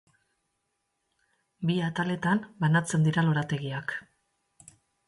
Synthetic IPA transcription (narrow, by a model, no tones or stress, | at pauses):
biat̪ale̞t̪ambanat͡se̞nd̪iɾalo̞ɾat̪e̞ɣiak